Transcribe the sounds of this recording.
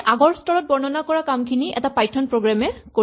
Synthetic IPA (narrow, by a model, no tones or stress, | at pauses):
ʔaɡɔɹstɔɹɔt̚bɔɹnɔnakɔɹakamkʰiniʔɛ̰tapajtʰːɔnpɹoɡɹamɛko